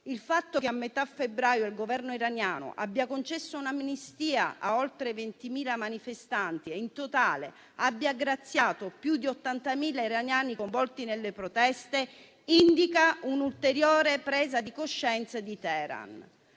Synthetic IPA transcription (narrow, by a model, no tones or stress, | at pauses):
ilfat̪ːok̟eamːet̪afebɾaːjoilɡovɛrnoiɾanjaːno̰ʔa̰bːjakont͡ʃɛsːounaminist̪iːa̰ʔaolt̪ɾevent̪imiːlamanifest̪ant̪ieint̪ot̪aːlḛ | abːjaɡɾat̪sːjaːt̪opjud̪iot̪ːant̪amiːlaiɾanjaːnikoɱvɔlt̪inelːepɾot̪ɛst̪e | ind̪ikaunult̪eɾjoːɾepɾɛːzad̪ikoʃːɛnt̪sad̪it̪ɛːɾa̰n